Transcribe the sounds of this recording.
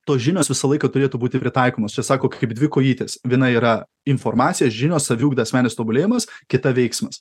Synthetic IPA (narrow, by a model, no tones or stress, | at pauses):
t̪oːsʒʲɪnʲoːsʋʲɪsɐlˠɐɪkɐt̪ʊɾʲeːt̪uːbuːt̪ʲɪpʲɾʲɪt̪ɐɪkoːmoːst͡ʃʲɛsɑːkoːkɐɪpd̪ʲʋʲɪkoːjiːt̪ʲeːsʋʲiɛnɐiːɾɐ | ɪnfoːɾmɑːt̪sʲɪjɛsʒʲɪnʲoːsɐʋʲuːɡd̪ɐɐsʲmʲæːnʲest̪oːbʊlʲeːjɪmɐskʲɪt̪ɐʋʲɛɪksmɐs